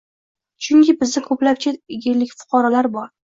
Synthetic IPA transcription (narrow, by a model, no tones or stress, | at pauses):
t͡ʃʰʊŋkʲɪbɪzd̪ɪkʰɵplap̚t͡ʃʰɪɪɡʲɪɾlɪkʲfʊ̥qʰɒɾɒlaɾbɒɾ